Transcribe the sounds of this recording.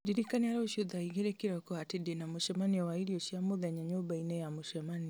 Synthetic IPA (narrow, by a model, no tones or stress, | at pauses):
diɾikaniaɾɛoʃuðaiɣeɾɛkiɾɔkɔatedenamoʃɛmaniɔwaiɾioʃiamoðaɲaɲobainɛjamoʃɛmani